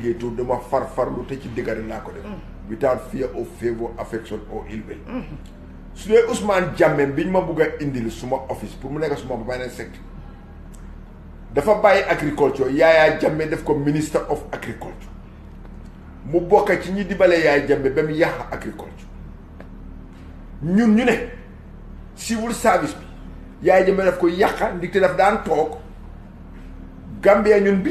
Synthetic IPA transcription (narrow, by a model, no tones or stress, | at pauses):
ɡetudɐmɐfɐɾfɐɾlutɐcidiɡɐɾɛlakɔdɛf | witaːnfijɐʔɔfɛvɔʔafɛksɔnɔ̰ʔilwɛ̰l | sudɛʔusmaːnɟamːɛmbiɲmɐbuɡɐʔindilsumɐʔofispuɾmunɛkːɐsumabɐfajnansɛk̚t | dɐfɐbajʔakɾikɔlt͡ʃɔjajaɟamːɛdɛfkɔministɐɾʔɔfakɾikɔlt͡ʃ | mubɔkːɐciɲidibɐlɛjajɟɐmbɛbɛmjɐxʔakɾikɔ̰lt͡ʃɔ̥ | ɲunɲunɛ | siwulsaɾvisbi | jaːjɟɐmbɛdɐfkɔjɐxɐndik̚tɛdɐfdaːntɔːk | ɡambijɐɲunbi